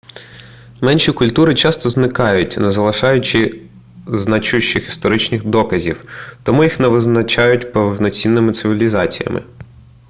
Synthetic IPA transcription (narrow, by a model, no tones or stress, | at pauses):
mɛnʃikʊlʲt̪uɾɪt͡ʃɑst̪ɔznɪkɑjʊtʲnɛzɐlˠɪʃɑjʊt͡ʃɪ | znɐt͡ʃuʃt͡ʃːɪxist̪ɔɾɪt͡ʃnʲɪxd̪ɔkɐzʲiwt̪ɔmujixnɛʋɪznɐt͡ʃɑjʊtʲpɛwnɔt͡sʲinːɪmɪt̪sɪʋʲilʲizɑt͡sʲijɐ̰mʔɪ̰